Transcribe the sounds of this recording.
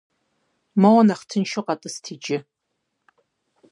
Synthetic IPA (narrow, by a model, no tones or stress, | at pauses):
mɐwɐnaχtʰɨnʃɪqʼɑtʼɨstʰid͡ʒʼɪ